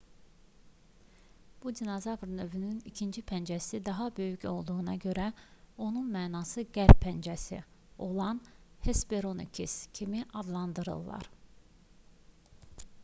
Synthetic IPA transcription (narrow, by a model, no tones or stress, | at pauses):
b̥ud̪inɑzɑvɾnø̞vynynicʰind͡ʒipʰænd͡ʒæsid̪ɑɦɑbø̞jyco̞lˠd̪uɣunɑɟø̞ɾæo̞nunmæːnɑsɯɟæɾppʰænd͡ʒæsḭo̞lˠɑnhesbeɾo̞nḭkʰḭscʰimiʔɑd̪lˠɑnd̪ɯɾɯ̰lˠːɑ̰ɾ